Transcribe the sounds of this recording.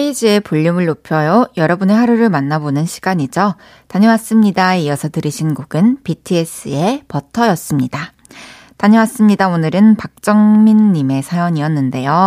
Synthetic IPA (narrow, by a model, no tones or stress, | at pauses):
eid͡ʑie̞puʎːumɯɭnopʰjʌjojʌɾʌbɯnehaɾuɾɯɭmanːabonɯnɕʰiɡ̥aɲid͡ʑo | taɲʌmas͈ɯmɲidaijʌsʰʌtɯɾiɕʰinɡoɡɯnpitʰɯes͈ɯe̞pʌtʰʌjʌs͈ɯmɲida | taɲʌmas͈ɯmɲidaonɯɾɯnpak̚t͡ɕ͈ʌŋminːime̞sʰajʌɲiʌnːɯnde̞jo